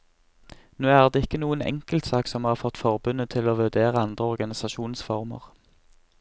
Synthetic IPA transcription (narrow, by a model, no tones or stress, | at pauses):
noːæːʁd̪eːɪkːənuːənɛ̰ŋkəlt̪sɑːksɔmhɑːʁfɔt̪ːfɔʁbʉnət̪ʰɪloːʋʉʁd̪eːʁəɑnd̪ʁəɔʁɡɑnɪsɑʃuːnsfɔʁmə̰ʁ